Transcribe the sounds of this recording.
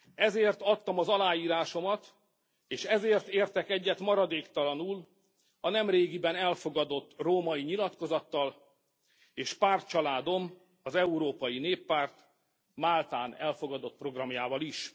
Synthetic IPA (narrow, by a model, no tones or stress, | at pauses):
ɛzeːrt̪ɒt̪ːɒmɒzɒlaːjiːɾaːʃo̞mɒt̪ | eːʃɛzeːrt̪eːrt̪ɛkɛɟːɛt̪mɒɾɒd̪eːkt̪ɒlɒnuːl | ɒnɛmreːɡibɛnɛlfo̞ɡɒd̪o̞t̪ːroːmɒjiɲilɒt̪ko̞zɒt̪ːɒl | eːʃpaːrt̪̚t͡ʃɒlaːd̪o̞m | ɒzɛuɾoːpɒjineːpːaːrt̪ | maːlt̪aːnɛlfo̞ɡɒd̪o̞t̪̚pro̞ɡrɒmjaːvɒliʃ